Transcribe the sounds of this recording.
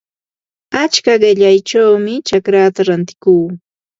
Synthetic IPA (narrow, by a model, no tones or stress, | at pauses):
at͡ʃkaɢɪʎajt͡ʃawmɪt͡ʃakɾat̪aɾant̪ɪ̥kuː